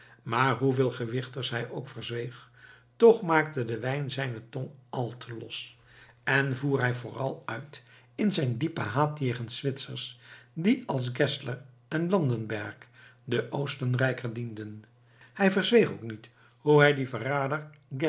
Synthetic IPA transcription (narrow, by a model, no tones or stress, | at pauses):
maːɹɦuvɪːlˠχəʋɪχtəɹsɦɛjʔowkfəɹzʋejχ | tɔχmaːk̚tədəʋɛjnzɛjnətɔnɑlˠtʰəlɔ̰s | ɛnvuːɹɦɛjvʊːrɑlˠœɥt | ɪnzɛjndipə̰ɦaːtjejχənsʋɪtsəɹsdiɑlˠsɡɛslər | ʔɛnlɑndənbɛɹkdəʔowstənrɛjkərdindən | hɛjvəɹzʋejχowknit | huɦɛjdivəraːdəɹ | ɡɛ